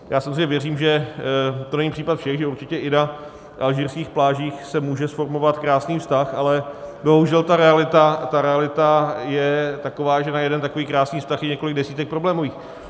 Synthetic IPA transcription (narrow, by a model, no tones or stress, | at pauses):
jaːsamozreɲɛvjɛriːmʒɛ | t̪onɛɲipr̥iːpat̪fʃɛxʒɛuɾt͡ʃɪcɛʔɪna | ʔalʒiːɾskiːxplaːʒiːxsɛmuːʒɛsfo̞ɾmo̞vat̪kɾaːsniːfst̪axalɛbo̞ɦuʒɛlt̪aɾɛalɪt̪at̪aɾɛalɪt̪ajɛt̪akovaːʒɛnajɛdɛnt̪akoviːkɾaːsniːfst̪axjɛɲɛkolɪɡ̚dɛsiːt̪ɛk̚pɾoblɛːmoviːx